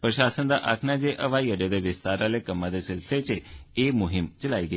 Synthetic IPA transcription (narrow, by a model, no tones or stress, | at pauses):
pɾəʃaːsənd̪aʔa̰kʰnad͡ʒeʔʔəʋaiəɽed̪eʋɪst̪aɾalekəmːãd̪esɪlset͡ʃʰeemʊɦɪmt͡ʃəlaːiɡə